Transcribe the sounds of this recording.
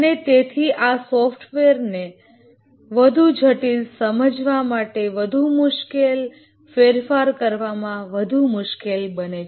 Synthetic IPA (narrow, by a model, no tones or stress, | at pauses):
ənet̪et̪ʰiʔasɔfʈʰʋeɾne | ʋəd̪ʱud͡ʒʱəʈilsəməd͡ʒʋamaʈeʋəd̪ʱumʊʃkel | feɾfaɾkəɾʋamãʋəd̪ʱumʊʃkelbənet͡ʃʰe